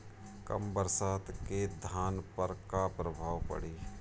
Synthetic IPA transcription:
kɐ̰mbəɾsaːt̪ked̪ʱaːnpəɾkapɾəbʱaːʋpɐ̰ɽiː

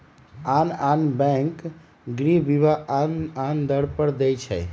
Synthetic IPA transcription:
ananbɛ̃ŋk | ɡɾibiβaʔanand̪əɽpəɾd̪ɛjt͡ʃʰɛ̰j

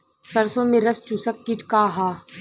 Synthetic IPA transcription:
sɐɾsõːmẽɾɐst͡ʃusəkːiʈʰkaːɦaː

